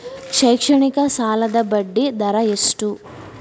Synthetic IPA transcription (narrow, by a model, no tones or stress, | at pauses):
ʂɐjkʂɐɳikɐsaːlɐd̪ɐbɐɖːid̪ɐɾɐesʈu